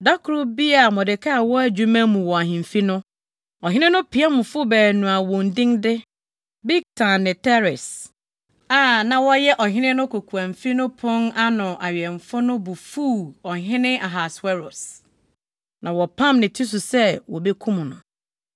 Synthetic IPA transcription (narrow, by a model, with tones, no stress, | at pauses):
da˦kʰʊ˨ɾʊ˦bi˦a˨mɔ̃˨dɪ˨kʰa˦a˨wɔ˦æ˨d͡ʑu˨mã˦mũ˨wɔ˨a˨ɦɪ̃˨m˨fi˦nʊ̃˦ | ɔ˨ɦɪ̃˦nɪ̃˦nʊ̃˦pʰi˨˦a˦mʊ̃˨fʊ˦bɛː˨nũ˨a˨wʊ̃˨n̩˨dɪ̃˦ndɪ˦ | bi˦k̚tʰa˨nːɪ̃˨tʰɛ˦ɾɪ˨s | a˨nã˨wɔ˦jɛ˦ʔɔ˨ɦɪ̃˦nɪ̃˦nʊ̃˦kʰo˨kʰu˨ã˨m̩˨fi˦nʊ̃˦pʰʊ̃˦na˦nʊ̃˨ʔa˨ɥɛ˨ɱ˨fʊ˦nʊ̃˦bʊ˨fu˦˨ɔ˨ɦɪ̃˦nɪ̃˦a˨ɦa˨swɛ˦ɾo˨s | nʔã˨wɔ˨pʰã˦mnɪ̃˨tʰi˦s̬ʊ˨sɛ˦wɔ˨be˦kʰũ˦m˨nʊ̃˨